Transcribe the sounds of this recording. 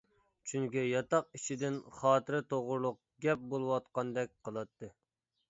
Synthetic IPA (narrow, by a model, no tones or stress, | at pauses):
t͡ʃʰyŋkʲijɑt̪ɑqiʃid̪ɪnχɑːt̪ʰɨɾɨt̪ʰoʁʊɾlˠʊq̚ | ɡʲɛp̚bolˠɨwɑt̪̚qɑnd̪ɛk̚ʲqʰəlˠɑt̪ʰːɨ